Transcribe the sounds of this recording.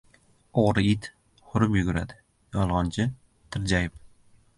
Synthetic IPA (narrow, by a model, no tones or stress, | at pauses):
oʁɾɪɪt̪ | χʊɾɪpjʊɡʊɾad̪ɪ | jɒlˠʁɒnt͡ʃʰɪ | t̪ʰɪɾd͡ʒajɪp̚